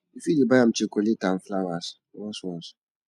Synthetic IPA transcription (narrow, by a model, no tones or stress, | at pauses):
ifidebajam̩t͡ʃekoletan̩flawas | wɔsɔs